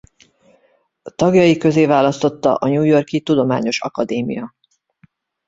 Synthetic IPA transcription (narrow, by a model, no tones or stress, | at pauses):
t̪ɒɡjɒjikø̞zeːvaːlɒst̪o̞t̪ːɒ̰ʔɒɲuːjo̞rkit̪ud̪o̞maːɲo̞ʃɒ̰kɒd̪eːmḭjɒ